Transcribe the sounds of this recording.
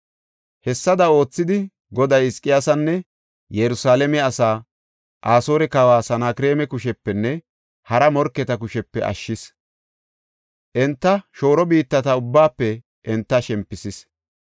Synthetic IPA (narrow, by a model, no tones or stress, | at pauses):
hɛsːɐd̪ɐo̞ːt͡sːɪd̪ɪ | ɡɔd̪ɐjɪskʼːɪjasɐnːɛ | jɛɾʊsaːlɛmɛɐsaː | ʔaːso̞ːɾɛkɐwaːsɐnaːkɪɾe̞ːmɛkʊʃɛpːɛnːɛ | hɐɾɐmɔɾkːɛt̪ɐkʊʃɛpːɛ̰ʔɐ̰ʃːɪs | ʔɛnt̪ːɐʃo̞ːɾɔbiːt̪ːɐt̪ɐʊbːaːpːɛ | ʔɛnt̪ːɐʃɛmpːɪsɪs